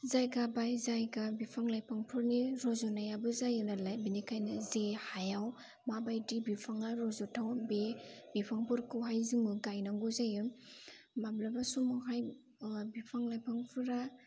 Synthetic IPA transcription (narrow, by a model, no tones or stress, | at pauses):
zajɡabajzajɡabipʰaŋlajpʰaŋpʰɯɾniɾɔzɔnajabɯzajɯnalajbinikʰajnazehajaw | mabajdibipʰaŋaɾɔzɔtʰawbebipʰaŋpɯɾkɯwɦajziŋbɯɡajnaŋɡuzajɯm | mablabasumɔɦaj | bipʰaŋlajpʰaŋpʰɯɾa